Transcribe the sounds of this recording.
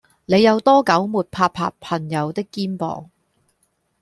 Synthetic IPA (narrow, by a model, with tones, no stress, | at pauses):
ne˨˧jɐ˨˧wt̪ɔː˥kɐ˨˥wmuː˨˩t̚pʰaː˧pʰa̰ː˧pʰɐ˨˩ŋjɐ˨˧wt̪ɪ˥kːiː˥npɔ̰ː˨ŋ